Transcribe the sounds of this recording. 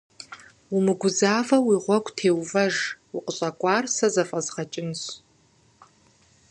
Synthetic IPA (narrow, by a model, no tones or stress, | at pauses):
umɨɡʷʊzaːvɐwiːʁʷɔkʷʼtʰeːwvɐʒwʊqʼəɕʼɐkʷʼɑːrsɐzɐfʼɐzʁɐt͡ʃʼɪnɕ